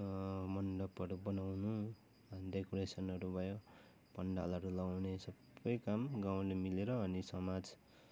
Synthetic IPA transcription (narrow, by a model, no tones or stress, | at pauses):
mʌnɖʌpʌɾubʌnawnu | ʌnd̪ekuɾesʌnʌɾubʱʌjo | pʌɳɖa̰lʌɾulawnesʌbʌjkamɡaw̃lemileɾʌːnisʌmad͡z